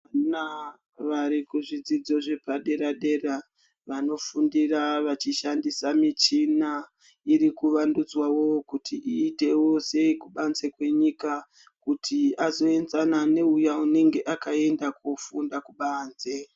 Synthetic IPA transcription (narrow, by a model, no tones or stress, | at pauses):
ana | ʋaɾikuʐid͡zid͡zo̞ʐe̞paɗe̞ɾaɗe̞ra | ʋano̞fundiraʋat͡ʃiʃandisamit͡ʃina | iɾikuʋandud͡zwawo̞kutʰiʔiːte̞wo̞se̞kuɓanzekwe̞ɲika | kutʰiazo̞e̞nzanane̞ujaune̞ŋɡe̞ʔakae̞ndakufundakuɓaːnze